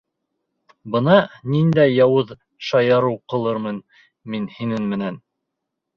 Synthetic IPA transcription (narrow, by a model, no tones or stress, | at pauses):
bɤ̆nɑnind̪æjjɑwɤð | ʃɑjɑɾɤwqɤ̆lˠɤɾmɤn | minhinɘnmɘ̆næn